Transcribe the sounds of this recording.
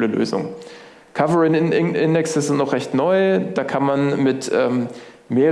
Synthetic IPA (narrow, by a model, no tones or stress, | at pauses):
ləlø̰ːzʊ̰ŋ | kʰavəʁɪnɪʔɪndɛksəsɪntnɔχʁɛçtnɔʏd̥aːkʰanmanmɪtʔɛːm | meː